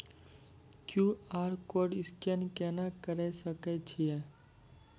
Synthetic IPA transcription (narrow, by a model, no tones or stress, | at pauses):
kjuaːɾkoɖɪskɛnkɛnakəɾɛsəkɛt͡ʃʰijɛ